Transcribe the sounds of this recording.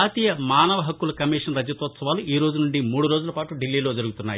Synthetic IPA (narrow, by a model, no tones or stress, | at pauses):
aːt̪iːjɐmaːnɐʋɐɦɐkːulɐkɐmiːʂɐnɾɐd͡ʒːɐt̪ɔːt̪sɐʋaːluʔiːɾo̞ːd͡ʒunuɳɖimuːɽuɾo̞ːd͡ʒulɐpaːʈuɖilːiːlo̞ːd͡ʒɐɾuɡut̪unːaːj